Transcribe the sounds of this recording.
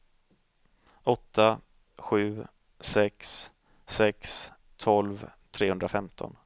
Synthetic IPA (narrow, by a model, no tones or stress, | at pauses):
ɔt̪ʰːa | ɧʉ̟ː | sɛks | sɛks | t̪ʰɔlvt̪ʰɾeːhɵnd̪ɾafɛmt̪ʰɔ̰n